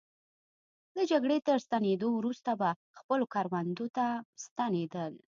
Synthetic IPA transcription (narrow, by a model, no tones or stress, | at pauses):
d̪əd͡ʒaɡɽet̪əɾst̪aned̪owɾust̪aba | xpəlokaɾwand̪ot̪ast̪aned̪əl